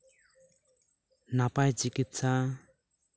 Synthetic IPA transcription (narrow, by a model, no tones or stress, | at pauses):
napajd͡ʒikit̪sa